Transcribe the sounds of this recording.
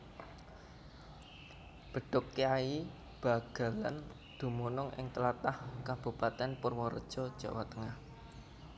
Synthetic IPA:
b̥ə̤ɖ̥ʊkːeai | b̥a̤ɡ̥ä̤lan | d̪̥ṳmonɔŋʔɪ̰ŋt̪əlat̪ahkab̥ṳpat̪ɛnpʊrwɔɾə̰d̥ʒ̥ɔd̥ʒ̥a̤̰wat̪əŋah

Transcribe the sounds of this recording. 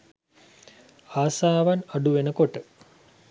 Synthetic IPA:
aːsaːʋanaɖuʋenəkoʈə

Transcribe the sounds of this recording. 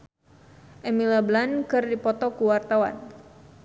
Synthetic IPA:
ʔɛmilablankɨrdipɔt̪ɔkuwart̪awa̰n

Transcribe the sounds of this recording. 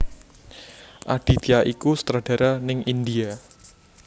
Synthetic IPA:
ʔaɖ̥i̤t̪iaʔikusə̥t̪ɾaɖ̥ä̤ɾanɪŋind̪ia

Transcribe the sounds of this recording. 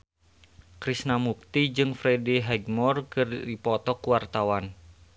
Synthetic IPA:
kɾisnamuk̚t̪id͡ʒɨŋfɾɛdiɦɛɡmɔrkɨrdipɔt̪ɔkuwart̪awan

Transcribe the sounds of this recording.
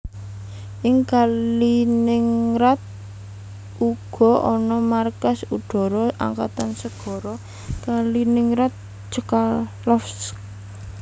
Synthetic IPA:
ʔɪŋkalinɪŋrat̪̚ | ʔuɡ̥ɔ̤ʔɔnɔmarkasuɖ̪̥ɔ̤ɾɔa̰ŋka̰t̪ansəɡ̥ɔ̤ɾɔ | kalinɪŋɾat̪̚ | d͡ʒəkallɔfsk̚

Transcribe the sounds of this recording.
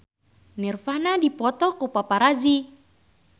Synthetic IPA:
nirfanadipɔt̪ɔkupapaɾazi

